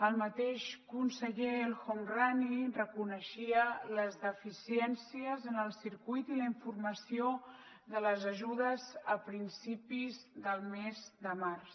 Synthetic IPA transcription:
əlˠmət̪eʃkunsəʎelxomranirəkunəʃiələzðəfisiɛnsiəzənəlˠsiɾkujt̪iləiɱfurməsio | ðələzəʒuðəzəpɾinsipizðəlˠmezd̪əmars

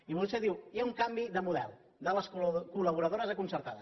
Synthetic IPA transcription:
iβulseðiwjauŋkambiðəmuðɛ̰lˠ | d̪ələskkuləβ̞uɾəðoɾəzəkunsəɾt̪aðə

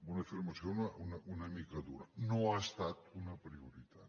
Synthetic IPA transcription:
bunɐfiɾmɐsjonaunaunamikɐd̪ṵɾɐnoast̪at̪unɐpɾiuɾit̪ʰat̪

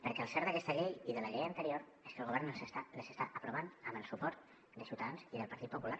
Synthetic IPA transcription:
pəɾkɛəlˠsɛɾðəkɛst̪əʎejiðələʎejəːnt̪əɾioɾ | eskəlɣoβɛɾnəsaləsəst̪aʔəpɾuβ̞anəmbəlˠsupɔɾt̪ | d̪əsiwt̪əðanziðəlˠpəɾt̪it̪̚pupulaɾ

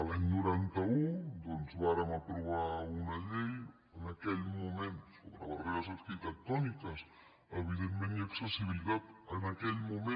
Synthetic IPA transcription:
əlaɲnuɾant̪aud̪onzβaɾamapɾuβaunaʎej | ənakɛʎmumẽnt̪soβɾaβareɣasakit̪ɛk̚t̪ɔnikɐs | əβiðenmẽniaksəsiβilit̪at̪ənakɛʎmume

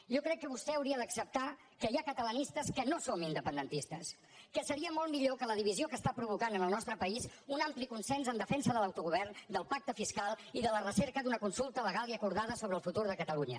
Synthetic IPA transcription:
ʒɔkɾɛkːəβust̪ɛəwɾiəd̪əksəp̚t̪a | kəiakət̪ələnist̪əskənosomind̪əpənd̪ənt̪ist̪əs | kəsəɾiəmɔlˠmiʎokələðiβiziokəst̪apɾuβ̞ukanənəlˠnɔst̪ɾəpəizunamplikunsɛnzənd̪əfɛnsəðələwt̪uɣuβɛrnd̪əlˠpak̚t̪əfiskalˠiðələrəsɛɾkəd̪unəkunsulˠt̪ələɣalˠiəkuɾðaðəsoβəlˠfut̪uɾðəkət̪əluɲə̰

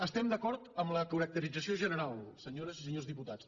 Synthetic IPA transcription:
əst̪ɛmd̪əkɔɾt̪əmləkuɾək̚t̪əɾid͡zəsioʒənəɾalˠsəɲoɾəsisəɲozðiput̪at͡s

